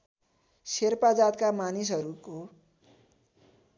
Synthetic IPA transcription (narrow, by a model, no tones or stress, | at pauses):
serpad͡zat̪kamanisɦʌɾuko